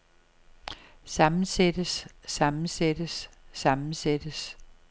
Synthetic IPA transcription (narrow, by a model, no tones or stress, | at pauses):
sɑ̈mn̩sed̥əsːɑ̈mn̩sed̥əsːɑ̈mn̩sed̥əs